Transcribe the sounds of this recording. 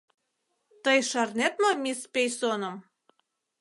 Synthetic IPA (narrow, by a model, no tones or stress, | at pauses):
t̪əjʃɑrnet̪momʲispʲejsonəm